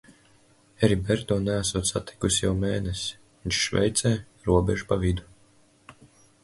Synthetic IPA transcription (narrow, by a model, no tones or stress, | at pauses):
ɛɾibɛɾt̪uːnææsuɔt̪sat̪ʰi̥kusjawmeːnesi̥ | viɲt͡ʃʃvɛ̰jt̪sɛː | ɾuɔbʲɛʒupavid̪u̥